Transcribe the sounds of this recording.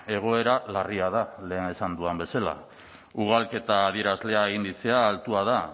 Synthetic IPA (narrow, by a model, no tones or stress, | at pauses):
e̞ɣ̞o̞e̞ɾalariað̞ale̞ːne̞sand̪uambe̞sala̰ | uɣ̞alke̞t̪aːðieɾazle̞aeɣind̪it͡se̞aːlt̪uað̞a